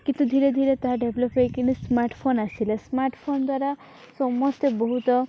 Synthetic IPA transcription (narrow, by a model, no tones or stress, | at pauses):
kint̪ud̪ʱiɾed̪ʱiɾet̪aɦaɖebʱlɔpekinismaɾʈʰpʰonasilesmaɾʈʰpʰond̪waɾa | sɔmɔst̪ebɔɦut̪ɔ